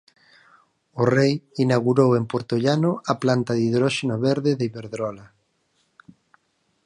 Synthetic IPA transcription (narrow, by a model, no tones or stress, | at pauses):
ʊrejinaɣuɾowempoɾt̪oʎanʊaplant̪aðiðɾɔʃenoβeɾðɪðeiβeɾðɾɔla